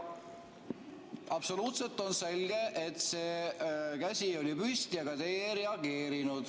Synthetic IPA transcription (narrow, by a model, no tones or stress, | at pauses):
ɑb̥so̞luːt̪se̞lt̪ːˑo̞nse̞lɡe̞ʔet̪se̞ːkæsʲio̞lipyst̪jɑɡɑt̪e̞ːɾeɑɡe̞ːɾinud̪̥